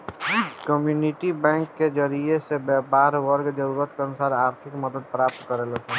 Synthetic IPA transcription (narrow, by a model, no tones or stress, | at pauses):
kəmjuniʈibɛ̃ːŋkːed͡ʒəɾiesebɛpaːɾwəɾɡd͡ʒəɾuːɾət̪keənʊsaːɾaːɾt̪ʰɪkməd̪əd̪̚pɾaːp̚t̪kəɾelɔsɛ